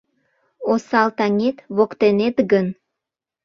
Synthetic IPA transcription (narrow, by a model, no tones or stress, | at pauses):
osɑlt̪ɑŋʲet̪βokt̪enet̪ɡən